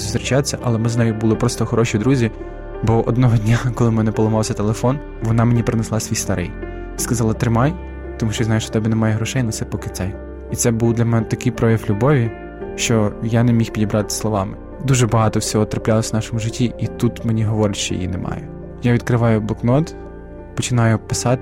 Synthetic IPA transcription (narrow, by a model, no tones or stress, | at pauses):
zɔst̪ɾɪt͡ʃat̪sʲɐʔɐlˠɛmɪznɑjʊbulˠɔpɾɔst̪ɔxɔɾɔʃid̪ɾuzʲi | bɔʔɔ̰d̪nɔɦɔdʲnʲakɔlˠɪmɛnɛpɔlˠɔmɑwsʲɐt̪elˠefɔn | ʋɔnɑmenʲipɾeneslˠɑsʲʋʲijst̪ɐɾʔɪ̰j | skɐzɑlˠɐt̪ɾɪmɑj | t̪ɔmuʃt͡ʃɔjazɑjʊʃt͡ʃɔ̥t̪ɛbɛnɛmɑjɛɦɾɔʃɛjnɐt̪sɛpɔkɪɛj | it̪sɛbuwd̪lʲɐmɛnɛt̪ɐkɪjpɾɔjʲɐwlʲubɔʋʲi | ʃt͡ʃɔjanemʲixpʲidʲibɾɑt̪ɪ̥slˠɔʋɑmɪ | d̪uʒɛbɐɦɑt̪ɔwsʲɔɦɔt̪ɾɐplʲɑlˠɔsʲnɑʃɔmʊʒɪtʲːiit̪ut̪menʲiɦɔʋɔɾʲɐʃt͡ʃɔ̰j̰jḭnɛ̰mɑ̰jɛ | jaʋʲid̪kɾɪʋɑjʊblˠɔknɔt̪ | pɔt͡ʃɪnɑjʊpɪsɑt̪